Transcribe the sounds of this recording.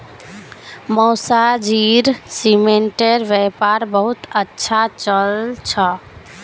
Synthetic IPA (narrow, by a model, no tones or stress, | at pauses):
mɔsad͡ʒiɾsimeɳʈeɾʋepaɾbəɦut̪ətːʃʰat͡ʃəlt͡ʃʰə